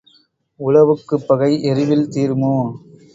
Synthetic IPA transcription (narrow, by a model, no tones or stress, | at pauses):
ʊlɐʋɯkːɯpːɐɣɐɪʔɛɾɪʋɪlt̪iːɾmɯ